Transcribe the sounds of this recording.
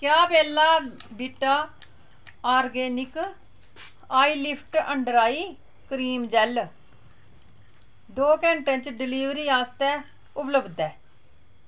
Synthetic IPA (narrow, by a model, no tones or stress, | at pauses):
kjaːpɛːlaːbɪʈːaː | aːɾɡeːnɪk | aːiːlɪpʰʈəɳɖɾaːiː | kɾiːmd͡ʒɛl | d̪oːkɛ̃ːɳʈə̃nt͡ʃɖɪliːʋɾiːaːst̪ɛː | ʊpləbd̪ɛː